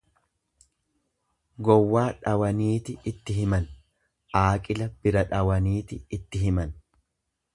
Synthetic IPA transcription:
ɡɔwːaːᶑɐwɐniːt̪ɪɪt̪ːɪɦɪmɐn | ʔaːkʼɪlɐb̥ɪɾɐᶑɐwɐniːt̪ɪɪt̪ːɪɦɪmɐn

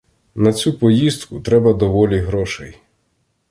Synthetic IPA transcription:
nɐt͡sʲupɔjizt̪kʊt̪ɾɛbɐd̪ɔʋɔlʲiɦɾɔʃɛj

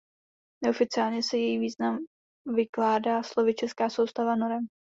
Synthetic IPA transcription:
nɛofɪt͡sɪaːlɲɛsɛjɛjiːviːznam | vɪklaːdaːslo̞vɪt͡ʃɛskaːso̞wst̪avanoɾɛm

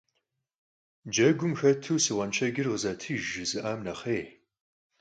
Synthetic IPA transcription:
d͡ʒɐɡʷʊmxɐtʰuwsɨwɐnt͡ʃʰɐɡʲɪrʁəzɐtʰɨːʒɨzɨʔaːmnɐχeː

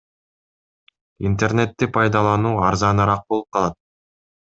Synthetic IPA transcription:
int̪e̞rne̞t̪ːipʰɑjd̪ɑlˠɑnuːɑɾzɑnɑɾɑq̚bo̞lˠup̚qʰɑlˠɑt̪̚

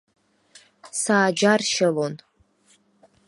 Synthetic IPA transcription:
saːd͡ʒarʃalon

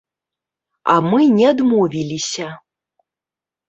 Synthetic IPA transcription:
a̰mɨnʲɛd̪movʲilʲisʲɐ

